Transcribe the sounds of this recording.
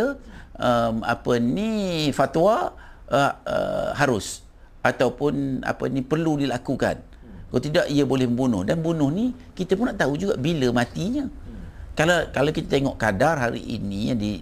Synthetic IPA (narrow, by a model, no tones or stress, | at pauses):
əəma̰pənifat̪wa | ə̰ɦaɾʊs | ʔat̪awpʊna̰pə̰nipərludilakuka̰n | kat̪idaʔiəbolɛhməmbunʊ̰hdanbunʊhni | kit̪əpʊnaʔt̪aud͡ʒuɡaʔbiləmãt̪iɲə̃kalakalawkit̪at̪eŋɔʔkadarɦaɾḭʔḭnijadi